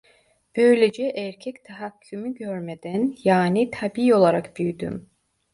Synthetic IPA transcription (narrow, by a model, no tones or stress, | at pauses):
b̥øjlʲed͡ʒɛʔæɾcʰɛct̪ʰaɦacʰːymyɟøɾmed̪ænjaːnit̪ʰabiːo̞lˠaɾakbyjd̪y̰m